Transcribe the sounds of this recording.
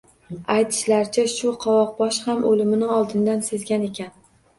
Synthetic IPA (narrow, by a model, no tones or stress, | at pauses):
ajt̪ʰɪ̥ʃlaɾt͡ʃʰaʃʊqʰɒwɒq̚bɒʃhamʔolɪmɪnɪɒlˠd̪ɪnd̪anse̞zɡʲane̞kʲan